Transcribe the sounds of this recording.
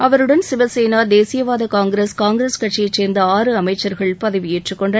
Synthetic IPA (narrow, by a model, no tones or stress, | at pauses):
ɐʋɐɾɯɽɐnsɪʋɐseːnaːd̪eːsɪjɐʋaːðɐkaːŋɡɾeskaːŋɡɾeskɐʈt͡ʃjɐt͡ʃːeːɾnd̪ɐaːrɯɐmɐɪt͡ʃːɐɾɣɐɭpɐðɐʋɪjeːʈrɯkːɔɳɖɐ